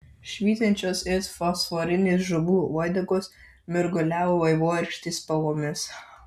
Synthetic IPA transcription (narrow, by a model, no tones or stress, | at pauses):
ʃʲʋʲiːzʲɐnʲt͡ʃʲoːsɪsfɔsfoɾʲɪnʲɪs̬ʒʊbuːɔːjd̪ʲɐɡʊs | mʲʊɾɡʊlʲæːʋoːʋɐɪʋoːɛɾʲkʃʲt̪ʲiːspɐlˠoːmʲɪs